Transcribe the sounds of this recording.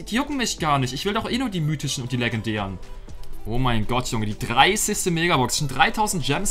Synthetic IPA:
diːjʊkŋ̩mɪçɡ̥aːɐnɪçtɪçv̥ɪldɔχʔeːnuːɐdiːmyːtʰɪʃn̩ʊntd̥iːlɛɡɛndɛːʁən | ʔoːmaɪnɡɔtʰjʊŋədiːdʁaɪsɪçstəmeːɡabɔksʃɔndʁaɪtʰaʊzn̩t̚ʒ̥ɛms

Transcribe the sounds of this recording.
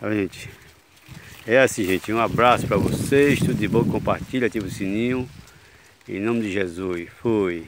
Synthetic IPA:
aʒẽt͡ʃ̪ɪ̥ | ɛasĩʒẽt͡ʃ̪ɪũabɾasʊ̥pɾɐvoseʃt̪ud̪ʊd̪ɪbõkkõpaɾt̪iʎɐt̪ĩvʊsĩnĩʊ̃ | ḛ̃nõmɪd̪ɪʒezufoj

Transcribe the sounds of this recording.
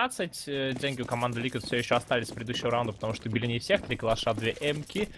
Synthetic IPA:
at̪sɨtʲdʲenʲɡʲɪʊkɐmand̪ɨlʲikʲɪt̪fsʲoɪɕːoɐst̪alʲɪsʲfpɾʲɪd̪ʲɪd̪uɕːɪvəɾaund̪əpə̥t̪ɐmuʂt̪obʲɪlʲɪnʲɪfsʲe̞xt̪ɾʲikəlˠɐʂad̪vʲeʔɛmkʲɪ

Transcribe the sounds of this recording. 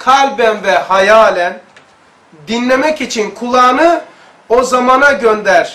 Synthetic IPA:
kʰalʲbænvɛhajaːlʲæn | d̪inlʲemɛcit͡ʃʰinkʰulˠaːnɯ | ozamanaɟønd̪æɾ̥

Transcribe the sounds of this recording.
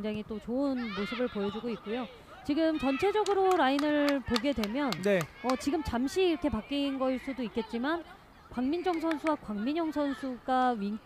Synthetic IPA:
ŋd͡ʑaŋit͈ot͡ɕoɯnmosʰɯbɯɭpojʌd͡ʑuɡoik̚k͈ujo | t͡ɕiɡɯmt͡ɕʌnt͡ɕʰe̞d͡ʑʌɡɯɾoɾainɯɭpoɡe̞dwe̞mjʌnneʌt͡ɕiɡɯmt͡ɕamɕʰiːɾʌkʰe̞pak͈inɡʌiɭs͈udoik͈e̞t̚t͡ɕ͈iman | kwaŋmind͡ʑʌŋs̬ʰʌnsʰuwakwaŋmiɲjʌŋsʰʌnsʰuɡaɥiŋt

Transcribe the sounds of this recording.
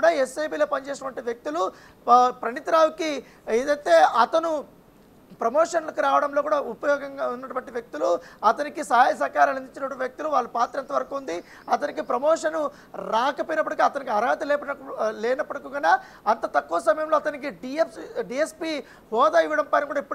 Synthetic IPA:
ɽaːesːejbiːlo̞ːpɐnt͡ʃeːs̬ɐʈɐʋɐɳʈiʋjɐk̚t̪ulu | pɾɐɳit̪ɾaːwuki | eːd̪ɐjt̪e̞ːʔɐt̪ɐnu | pɾɐmoːʂɐnlɐkiɾaːʋɐɽɐmloːkuːɽaːupɐjɔːɡɐŋɡaːunːɐʈuʋɐɳʈiʋjɐk̚t̪uluɐt̪ɐnikisaːjɐsɐːkaːɾɐːlɐnd̪iɲt͡ʃːinɐʈuʋjɐk̚t̪uluʋaːɭːupaːt̪ɾɐent̪ɐʋɐɾɐkuːund̪i | ɐt̪ɐnikipɾɐmɔːʂɐnu | ɾaːkɐpoːjinɐpːɐɽɐkiɐt̪ɐnikiɐɾaːt̪ilɛːpɐnɐlɛːnɐpːɐɽɐkuːɡɐnaː | ɐnt̪ɐt̪ɐkːuʋɐsɐmɐjɐmloːɐt̪ɐnik̬iɖiepɖiespiː | hɔːd̪aːiʋːɐɽɐmpɐjnɐkuːɽaipːu

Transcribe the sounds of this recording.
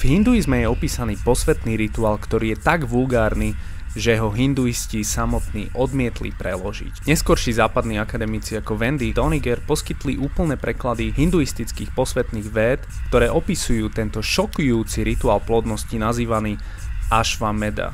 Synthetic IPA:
vɦind̪uizmɛjɛɔpiːsaniːpɔsʋɛt̪niːɾit̪uaːlkt̪ɔɾiːjɛt̪aɡʋulɡaːɾni | ʒɛɦɔɦind̪uiscisamɔt̪nḭːʔɔd̪mɪɛt̪lḭpɾɛlɔʒḭcɲɛskɔɾʃizaːpad̪niːakad̪ɛmit͡siakɔʋɛnd̪id̪ɔniɡɛɾpɔskit̪liʔuːpl̩nɛːpɾɛklad̪iɦind̪uist̪it͡skiːxpɔsʋɛt̪niːɣʋɛːt̪kt̪ɔɾɛːʔɔpisujuːt̪ɛnt̪ɔʃɔkujuːt͡siɾit̪uaːlplɔd̪nɔscinaziːʋaniː | aʃʋamɛd̪a̰

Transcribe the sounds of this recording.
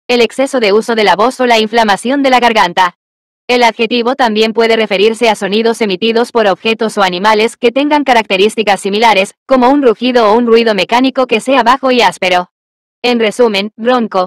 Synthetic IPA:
e̞le̞kse̞so̞ðe̞uso̞ðe̞laβo̞so̞laiɱflamasjo̞nd̪e̞laɣaɾɣant̪a | e̞laðxe̞t̪iβo̞t̪ambje̞mpwe̞ðe̞re̞fe̞ɾiɾse̞aso̞niðo̞se̞mit̪iðo̞spo̞ɾoβxe̞t̪o̞so̞animale̞ske̞t̪e̞ŋɡaŋkaɾak̚t̪e̞ɾist̪ikasːimilaɾe̞sko̞mo̞unruxiðoːunrwiðo̞me̞kaniko̞ke̞se̞aβaxo̞iaspe̞ɾo̞ | e̞nre̞sumẽ̞nroŋko̞

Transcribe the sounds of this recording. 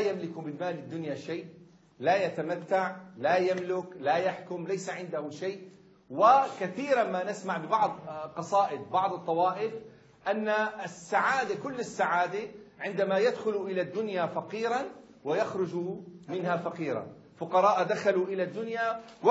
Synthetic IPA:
jamlɪkumɪnmaːlɪd̪ːʊnjaʃaːʔ | lajat̪amat̪ːaʕlajamlʊklajaħkʊmlajsaʕɪnd̪ahʊmʃaːʔ | wɪkaθiːɾamanɪsmaʕbɪbɑʕd̪ˤqɑsˤɑːʔɪd̪̚bɑʕd̪ˤɨt̪ˤːɑwɑːʔɪf | ʔanːaɪsːaʕaːd̪akʊlːɪsːaʕaːd̪ɪʕɪnd̪amajad̪xʊluʔɪlad̪ːʊnjafɑqiːɾˤɑn | wɪjaxɾˤʊd͡ʒumɪnhafɑqiːɾˤɑ̰ | fʊqɑɾˤɑːʔd̪axaluʔɪlad̪ːʊnja | w

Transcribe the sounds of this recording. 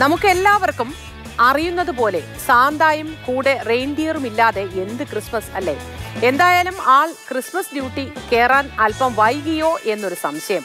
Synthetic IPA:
nɐmukːe̞lːaːʋɐrkum | ɐrijunːɐðupo̞ːle̞ | saːnd̪aːjɐmkuːɽe̞rejɳɖijɐrumilːaːðe̞ʔe̞nd̪ɨkrismɐsɐlːe̞̰ | end̪aːjaːlumaːɭkrismɐsɖjuːʈːike̞ːraːnɐlpɐmʋɐjɣɐjo̞ːʔe̞nːo̞ɾusɐmɕɐjɐm

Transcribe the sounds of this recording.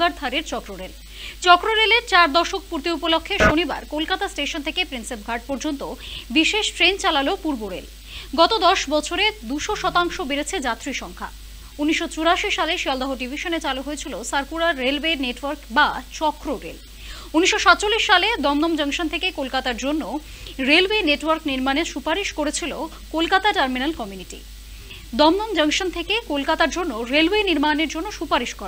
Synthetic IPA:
aɾd̪ʱʰaɾeɾt͡ɕɔkɾoɾel | t͡ɕɔkɾoɾeleɾt͡ɕaɾd̪ɔʃok̚puɾt̪iupolokʰːeʃoniba̰ɾkolkat̪asʈeʃont̪ʰekepɾinsep̚ɡʱaɾʈ̚pɔɾd͡ʑont̪obiʃeʃʈɾent͡ɕalalopuɾboɾḛl | ɡɔt̪od̪ɔʃbɔt͡ɕʰoɾed̪uʃoʃɔt̪aŋʃobeɾet͡ɕʰed͡ʑat̪ɾiʃɔŋkʰa̰ | uniʃːot͡ɕuɾaʃiʃaleʃiɔld̪aɦoɖibʱiʃonet͡ɕaluɦoet͡ɕʰilosaɾpuɾaɾːelweneʈwəɾkbat͡ɕɔkɾoɾḛl | uniʃʃoʃat̪ːt͡ɕolːiʃːaled̪ɔmd̪ɔmd͡ʑəŋʃont̪ʰekekolkat̪aɾd͡ʑonːo | ɾelweneʈwəɾkniɾmaneʃupaɾiʃkoɾet͡ɕʰilo | kolkat̪aʈɐɾminalkɔmjuniʈḭ | d̪ɔmd̪ɔmd͡ʑəŋʃont̪ʰekekolkat̪aɾd͡ʑonːoɾelweniɾmaneɾd͡ʑonːoʃupaɾiʃkɔɾa

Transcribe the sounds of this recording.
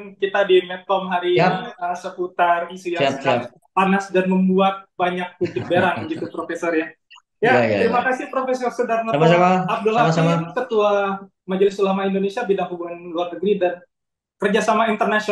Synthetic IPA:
nkit̪adimɛt̪ɔmɦaɾiəsəput̪anisijaa | panasdanməmbuat̪̚baɲak̚pubɪk̪̚beɾaŋəɡit̪upɾofesɔrja | jat̪əɾimakasipɾofesɔrsədarmmasamaap̚dulasaakət̪ua | mad͡ʒalɪsulamaindonesiabidaŋhubuŋanluarnəɡɾidan | kərd͡ʒasamaint̪ərnasio

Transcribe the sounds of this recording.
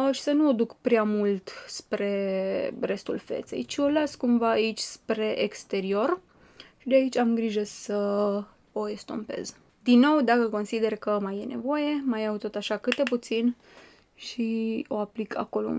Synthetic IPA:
ʃi̥sənuod̪ukpɾeamult̪spɾe̞re̞st̪ulfe̞̰t̪se̞̰jt͡ʃio̞laskumvaːit͡ʃʲspɾe̞ʔekst̪e̞ɾio̞r | ʃid̪eait͡ʃʲamɡɾiʒəsə | oest̪o̞̰mpe̞̰z | d̪inːo̞wd̪akəko̞nsid̪e̞rkəmaje̞ne̞̰vo̞je̞majawt̪o̞t̪aʃakɨt̪̚d̪e̞put̪sin | ʃio̞aplikʰa̰ko̞lo̰

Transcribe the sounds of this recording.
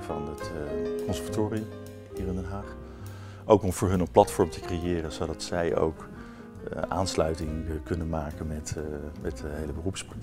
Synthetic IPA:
vɑ̰nətkɔnsəɹvatoːriəm | ɦiːrɪndɛnɦaːχ | ʔowkɔmvʊːɹɦɵnənplɑtfɔɹmtəkrejɪːrənzowdɑtsɛjʔo̰wk | ʔaːnslœɥtɪŋkɵnənmaːkənmɛtmɛtdəɦejləbərupsprɑ

